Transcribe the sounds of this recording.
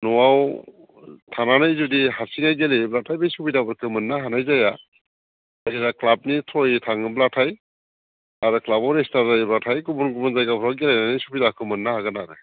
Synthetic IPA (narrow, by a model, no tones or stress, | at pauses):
nɔwaw | tʰananajzudiɦasinajɡeliblatʰajbejsubidabɯɾkʰɯmɯnːaɦanajzaja | aɡeɾaklab̚nitʰojtʰaŋɯblatʰaj | aɾɯklabɔɾestaɾɯjblatʰajɡubɔnɡubɔnzajɡapʰɾawɡelajnanɯjsubidakʰɯmɯnːahaɡɯnaɾɯ